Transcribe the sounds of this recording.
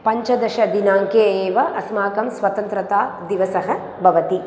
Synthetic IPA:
pɐɲt͡ʃɐd̪ɐʃɐd̪inaːŋkeːeːʋɐʔɐsmaːkɐmsʋɐt̪ɐnt̪ɾɐt̪aːd̪iʋɐsɐɦɐ | bʱɐʋɐt̪i

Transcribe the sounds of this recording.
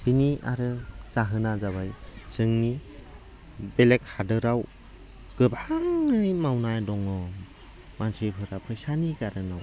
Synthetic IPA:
b̥inia̰ɾɯz̥aɦɯnazaβajzɯŋni | belek̚hadɯɾaw | ɡ̥ɯbʱaŋɯjmawnajdɔŋɔ | mansipʰɯɾapʰɯjsaniɡaɾɯnaw

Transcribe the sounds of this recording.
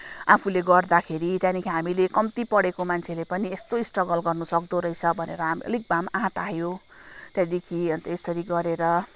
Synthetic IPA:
apʰuleɡʌrd̪akʰeɾit̪jãnikʰiɦamilekʌmt̪ipʌɽekomant͡sʰelepʌniest̪oisʈrʌɡʌlɡʌrnusʌk̚d̪oɾʌjt͡sʰʌbʱʌnḛɾʌɦamiʌ̰lik̚bamãʈaɦjo | t̪jãd̪ikʰiʌnt̪ʌesʌɾiɡʌɾeɾʌ

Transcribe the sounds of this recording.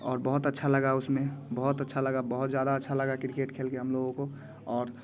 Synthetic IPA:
ɔːɾbəɦʊt̪ətːʃʰaləɡaʊsmẽbəɦʊt̪ətːʃʰaləɡabəɦʊt̪d͡ʒjaːd̪aətːʃʰaləɡakɾɪikeːʈkʰeːlkeɦəmloːɡõko | ɔːɾ

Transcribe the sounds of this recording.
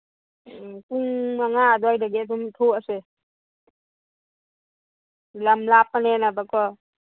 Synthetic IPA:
kuŋaŋad̪ɔjdaɡɛt̪ɔmt̪ʰoase | lamlap̚ːanɛnabakɔ

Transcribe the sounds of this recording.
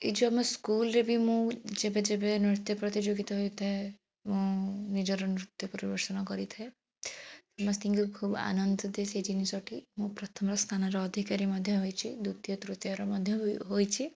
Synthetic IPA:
ḭd͡ʒɔmɔskulɾebʱimũd͡ʒebed͡ʒebenɾit̪jɔpɾɔt̪id͡ʒoɡit̪ɔɦɔjut̪ʰae | mũnid͡ʒɔɾɔnɾut̪jɔpɔɾibɔɾsɔnɔkɔɾit̪ʰae | sɔmɔst̪ĩŋkukʰuba̰nɔnd̪ɔd̪esed͡ʒinisɔʈimũpɾɔt̪ʰɔmɾɔst̪ʰanɔɾɔːd̪ʱikaɾimɔd̪ʱjɔɦɔjt͡ʃʰid̪ut̪jɔt̪ɾut̪jaɾɔmɔd̪ʱjɔɦojt͡ʃʰi

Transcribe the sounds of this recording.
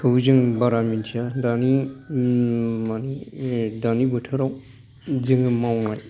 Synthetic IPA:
kʰɯuzɯŋbaɾamintʰijadani | manidanibɯtʰɯɾaw | zɯŋɯmawŋaj

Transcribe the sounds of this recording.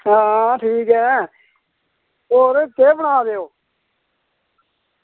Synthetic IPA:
ɦãːʈʰiːkɦɛː | oːɾt̪eːbəɽaːd̪eːoː

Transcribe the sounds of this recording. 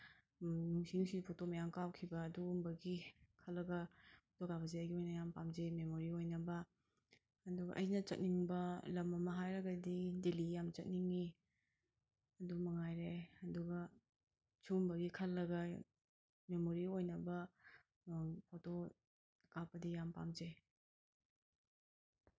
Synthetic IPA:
nuŋsinuŋsidipʰotomɐjaŋkawkʰibɐːdumbɐɡikʰɐlːɐɡɐpʰotokabɐzeɐjɡiojnɐjampamzememoɾiojnɐbɐ | ɐduɡɐ̰ʔɐjnɐt͡ʃɐt̚niŋbɐlɐmɐmɐɦajɾɐɡɐdidelijamt͡ʃɐt̚niŋi | ɐdumɐŋajɾeɐduɡɐ | t͡ʃumbɐɡikʰɐlːɐɡɐ | memoɾiojnɐbɐ | pʰoto | kapɐdijampa̰md͡ʒe

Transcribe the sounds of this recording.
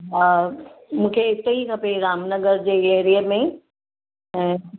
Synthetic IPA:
ɦaːmũːkʰeɪt̪əikʰɐpeɾaːmnəɡəɾd͡ʑeːeːɾijəmẽ | ɛ̃ː

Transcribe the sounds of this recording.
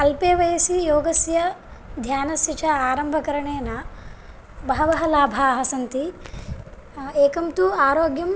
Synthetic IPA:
ɐlpeːʋɐjɐsijoːɡɐsjɐ | d̪ʱjaːnɐsit͡ʃʰɐaːɾɐmbʱɐkɐɾɐɳeːnɐ | bɐɦɐʋɐɦɐlaːbʱaːɦɐsɐnt̪i | eːkɐmt̪uaːɾoːɡjɐm

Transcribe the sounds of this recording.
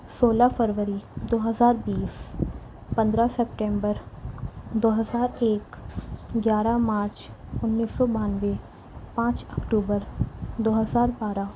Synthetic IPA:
soːlafʰəɾʋəɾid̪oːɦəzaːɾbiːs | pɐ̃nd̪ɾasɛpʈɛ̃ːmbəɾ | d̪oːɦəzaːɾeːkɡjaːɾamaːɾt͡ʃʊnːiːsɔbaːnʋe | pãːt͡ʃɐkʈuːbəɾd̪oːɦəzaːɾbaːɾa

